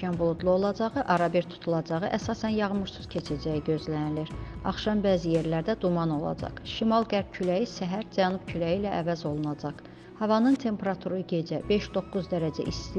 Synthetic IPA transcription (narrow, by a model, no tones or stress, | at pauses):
ɑnbulˠud̪lˠuo̞lˠɑd͡ʒɑʁɯʔɑɾɑbiɾt̪ʰu̥t̪ʰulˠɑd͡ʒɑʁɯʔæsɑːsænjɑʁɯmuɾsuz̥cʰe̞t͡ʃʰæd͡ʒæjiɟø̞zlæniliɾɑχʃɑmbæːzije̞ɾlæɾd̪æd̪umɑno̞lˠɑ̰d͡ʒɑ̰χʃimɑlˠɡæɾb̥̚cʰylæjisæɦæɾd͡ʒænub̥cʰylæjilæʔævæzo̞lˠunɑd͡ʒɑχ | hɑvɑnɯnt̪ʰe̞mpʰeɾɑt̪ʰuɾɯɟe̞d͡ʒæbe̞ʃd̪o̞kːuzd̪æɾæd͡ʒæ̰ʔis